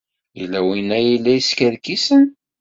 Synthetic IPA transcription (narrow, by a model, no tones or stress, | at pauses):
jilːæwinæjilːæiskəɾkisən